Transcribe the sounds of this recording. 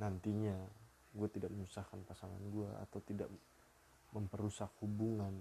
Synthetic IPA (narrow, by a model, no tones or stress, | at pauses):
nant̪iɲa | ɡuat̪idak̚məɲusahkanpasaŋa̰nɡuaa̰t̪awt̪ida̰ʔ | məmpəɾusak̚hubuŋan